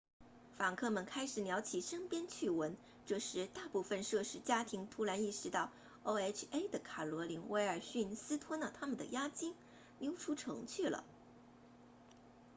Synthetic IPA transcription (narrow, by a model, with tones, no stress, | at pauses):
fa˨˩ŋkʰɤ˥˩mə˨nkʰa˥ɪʂɻ̩˨˩njɑ˧˥ʊt͡ɕʰi˨˩ʂə˥ŋpjɛ˥nt͡ɕʰy˥˩wə˧˥n | ʈ͡ʂɤ˥˧ʂɻ̩˥˧t̪a˥˧pu˥˧fə˧nʂɤ˥˧ʂɻ̩˧˥t͡ɕja˥t̪ʰi˧˥ŋt̪ʰu˧˥ɻa˧˥ni˥˩ʂɻ̩˧˥t̪ɑ˥˩ʊ | o˥ʊɛ˥t͡ʃʰe˥ɪd̪ə˨kʰa˨˩lwɔ˧˥li˧˥ŋwe˧˥ɪə˞˨˩ɕy˥˩nsɹ̩˥t̪ʰwə˥nə˨˩t̪ʰa˥mə˨nd̪ə̰˩ja˥t͡ɕi˥ŋ | njo˧˥ʊʈ͡ʂʰu˥ʈ͡ʂʰɤ̰˧˥ŋt͡ɕʰy˥˩lə̰˩